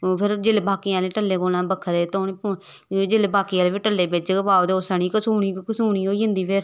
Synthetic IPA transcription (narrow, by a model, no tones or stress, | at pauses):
pʰɪɾd͡ʒɪlebaːkiãːleːʈəlːeːɡoːlãːbəkʰːəɾeːt̪oːneːpʊ | d͡ʒɪlebaːkiːaːlebiːʈəlːeːbed͡ʒbaːd̪osəniːkəsuːniːkəsuːɳiːɦoːiːɦə̃nd̪iːpʰɪɾ